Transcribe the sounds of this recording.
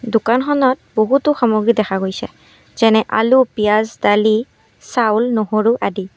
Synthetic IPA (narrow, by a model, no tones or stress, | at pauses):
dukanxɔnɔt̚boɦutʊxamoɡɹidɛxʰaɡojsɛ̰ | z̥ɛnɛʔa̰lupijazdali | sawlnoɦoɹuʔadi